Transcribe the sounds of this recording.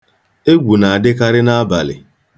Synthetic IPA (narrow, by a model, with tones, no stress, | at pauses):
e˦ɡʷu˨na˨a˨dɪ˦ka˦ɾɪ˦na˦a˦ba˨lɪ̰˨